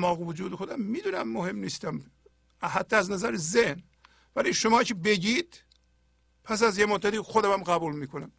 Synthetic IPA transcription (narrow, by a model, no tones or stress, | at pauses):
mɒːɣevod͡ʒuːd̪exod̪æmːiːd̪uːnæmːohemniːst̪æm | hæt̪ʰːææznæzæɾezehn | væliːʃomɒːcʰebe̞ɟiːd̪̥̚ | pʰæsæzjemod̪ːæt̪iːxod̪æmæmɣæbuːlmiːkʰonæm